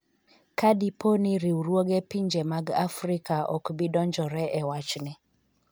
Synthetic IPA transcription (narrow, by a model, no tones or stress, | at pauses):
kadiponiɾiwuɾwoɡɛpiɲd͡ʒemaɡa̰fɾikʰaʔɔ̰kbidɔɲd͡ʒɔɾɛʔɛwat͡ʃnɪ